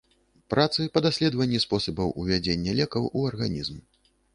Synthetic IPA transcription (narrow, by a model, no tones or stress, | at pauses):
pɾat̪sɨpɐd̪asʲlʲɛd̪vɐnʲːispɔsɐbɐwʔuvʲad͡zʲenʲːɛlʲɛkɐwʔuɐrɣanʲizm